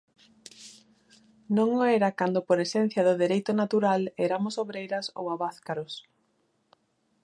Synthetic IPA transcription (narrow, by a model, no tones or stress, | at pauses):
nõŋoɛɾakand̪opoɾesɛn̟θjɐðʊðeɾejt̪ʊnat̪uɾaleɾamʊsoβɾejɾɐso̰waβaθkaɾʊs